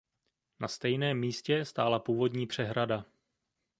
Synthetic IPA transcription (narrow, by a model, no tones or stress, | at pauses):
nast̪ɛjnɛːmːiːscɛst̪aːlapuːvo̞dɲiːpr̝̥ɛɦɾada